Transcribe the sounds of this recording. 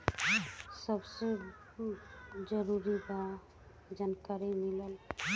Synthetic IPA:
səbse | d͡ʒəɾuɾiba | d͡ʒankaɾimiləl

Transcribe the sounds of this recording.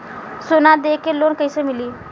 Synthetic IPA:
sonad̪ekelonkəjsemiliː

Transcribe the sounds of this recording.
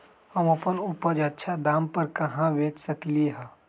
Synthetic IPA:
hɐmɐpənupəd͡ʒɐtːʃʰad̪aːmpəɾkɐɦãʋeːt͡ʃsəkliɦaː

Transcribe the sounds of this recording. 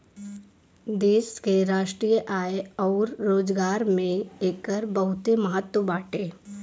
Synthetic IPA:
d̪eːʃkeɾaːʃʈɾiːjəʔaːeɔːɾɾoːd͡ʒɡaːɾmẽeːkəɾbɐɦʊt̪emɐɦət̪wəbaːʈeː

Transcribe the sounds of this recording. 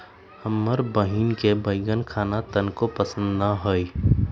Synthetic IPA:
həmːəɾbəɦinkebəɪɡənkʰaːnat̪ənkopəsə̃nd̪naɦoi

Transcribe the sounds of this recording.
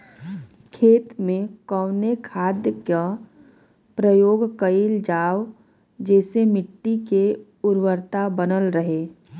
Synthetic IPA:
kʰeːt̪mẽkəʊnekʰaːd̪jəkə | pɾəjoːɡkəild͡ʒaːw | d͡ʒɛːsemɪʈːike | ʊɾwəɾt̪abənəlɾəɦeː

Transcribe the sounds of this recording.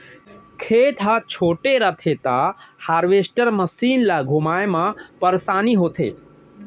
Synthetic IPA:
kʰeːt̪ʰɦat͡ʃʰoːʈeɾət̪ʰet̪ahaːɾʋeːsʈəɾmɐsiːnlaɡʱumaːjemãpəɾsaːniɦoːt̪ʰḛː

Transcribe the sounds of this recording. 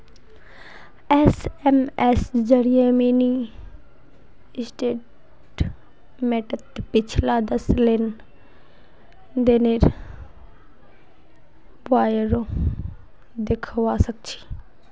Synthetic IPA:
ɛːsɛmɛsd͡ʒəɾijemẽːni | sʈeːʈ | meːʈət̪pɪt͡ʃʰlad̪əslen | d̪eːneːɾ | baːjəɾo | d̪ekʰʋasək̚t͡ʃʰi̥ː

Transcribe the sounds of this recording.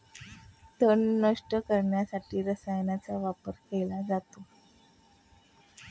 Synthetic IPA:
t̪əɳːəʂʈəkəɾɳjasaʈiːɾəsajnjat͡saʋapəɾkelad͡zat̪o

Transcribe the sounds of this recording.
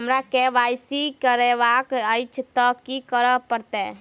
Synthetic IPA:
əmɾakeʋajsikəɾeʋakəjt͡ʃʰt̪ɔkikəɾəpəɾt̪ɛ

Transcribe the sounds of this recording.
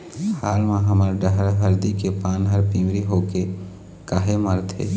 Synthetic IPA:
haːlmãɦəməɾɖəɦəɾɦəɾd̪ikepaːnɦəɾpiːmɾiɦoːke | kaːɦeməɾt̪ʰḛː

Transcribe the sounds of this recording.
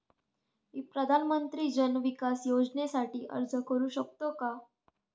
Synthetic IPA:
iːpɾəd̪ʱanmənt̪ɾiːd͡ʑənʋikasjod͡ʑnesaʈiːʔə̰ɾd͡zəkəɾuːɕəkt̪oka

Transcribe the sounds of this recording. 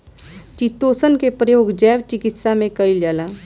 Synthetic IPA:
t͡ʃit̪ːoːsənkepɾəjoːɡd͡ʒɛːʋt͡ʃɪkɪt̪samẽkəiljaːlaː

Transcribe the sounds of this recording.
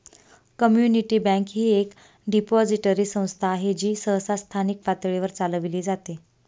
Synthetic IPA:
kəmjuniʈiːbɛ̃kɦiːek | ɖipɔd͡ziʈəɾiːsə̃w̃st̪ʰaːɦed͡ʑiːsəɦsast̪ʰanik̚pat̪ɭeʋəɾt͡saləʋiliːd͡zat̪e

